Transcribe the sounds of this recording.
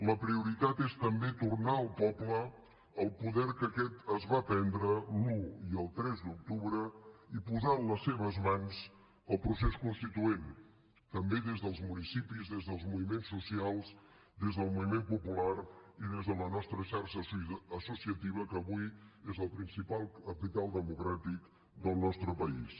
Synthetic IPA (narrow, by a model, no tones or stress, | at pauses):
ləpɾiuɾit̪at̪est̪əmbet̪urnaəlˠpɔplə | əlˠpuðɛɾkəkɛt̪əzβapɛnd̪ɾəluiəlˠt̪ɾɛzd̪uk̚t̪uβɾəipuzaənləsːeβ̞əzmans | əlˠpɾuseskunst̪it̪uen | t̪əmbeðezðəlˠzmunisipizðezðəlˠzmuβimensːusialˠs | d̪ezðəlˠmuβimempupulaɾiðezðələnɔst̪ɾəʃaɾʃəsəsusiət̪iβ̞əkəːβujezəlˠpɾinsipalˠəpit̪alˠd̪əmukɾat̪ik | d̪əlˠnɔst̪ɾəpəḭs